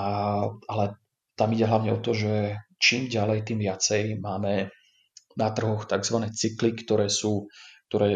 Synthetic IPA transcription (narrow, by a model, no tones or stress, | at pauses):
aalɛ | t̪amiɟɛɦlaʊɲɛɔt̪ɔʒɛt͡ʃiːmɟalɛjt̪iːmʋɪat͡sɛjmaːmɛ | nat̪r̩ɦɔxt̪aɡzʋanɛːt͡siklikt̪ɔɾɛːsuːk̚t̪ɔɾɛː